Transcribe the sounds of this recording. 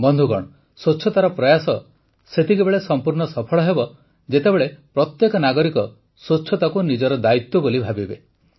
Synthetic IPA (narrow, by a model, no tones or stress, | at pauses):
bɔnd̪ʱuɡɔɽ̃ɔ | sot͡ʃʰɔt̪aɾɔpɾɔjasɔ | set̪ikebeɭesɔmpuɾɳɔsɔpʰɔɭɔɦebɔ | d͡ʒet̪ebeɭepɾɔt̪jekɔnaɡɔɾikɔ | sot͡ʃʰɔt̪akunid͡ʒɔɾɔd̪ait̪wɔbolibʱabibe